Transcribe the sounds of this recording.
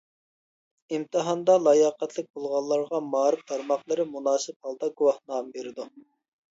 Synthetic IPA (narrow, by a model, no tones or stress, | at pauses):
imt̪ʰɨɦɑnd̪ɑlˠɑjɑːqɛt̪ʰlɪk̚ʲbolˠʁɑlˠːɑɾʁɑmɑːɾɪft̪ʰɑɾmɑχlˠɨɾɪmunɑːsɨp̚hɑlˠd̪ɑɡuwɑχnɑːmbeɾɪd̪u